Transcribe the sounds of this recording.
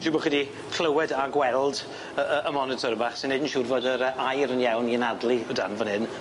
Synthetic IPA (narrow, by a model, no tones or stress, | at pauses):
ʃɪbɔχɛdi | kʰl̥əwɛdaɡwɛlˠd | əəʔəmɔnɪtʰɔɾbaːχsɪnedn̩ʃʊrvɔdəɾəʔajɾənjawniənadlˠiəda̰nvɔnhɪn